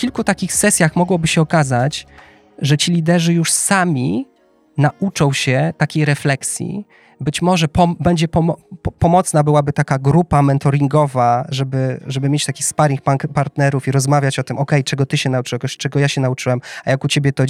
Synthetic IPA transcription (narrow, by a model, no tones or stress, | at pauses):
kʲilkut̪akʲixsɛsʲjaxmɔɡwɔbɘɕɛɔkazat͡ɕ | ʐɛt͡ɕilʲid̪ɛʐɘjuʂsamʲi | naʔut͡ʂɔ̃w̃ɕɛt̪akʲejɾɛflɛksʲjḭ | bɘt͡ɕmɔʐɛpɔbɛɲd͡ʑɛpɔmpɔmɔt̪snabɘwabɘt̪akaɡɾupamɛnt̪ɔɾʲiŋɡɔvaʐɛbɘʐɛbɘmʲjet͡ɕt̪akʲixspaɾʲik̚papaɾt̪nɛɾufiɾɔzmavʲjat͡ɕɔt̪ɘmɔkɛjt͡ʂɛɡɔt̪ɘɕɛnaut͡ʂɘwkɔɕt͡ʂɛɡɔjaɕɛnaut͡ʂɘwɛmajakut͡ɕebʲjɛt̪ɔ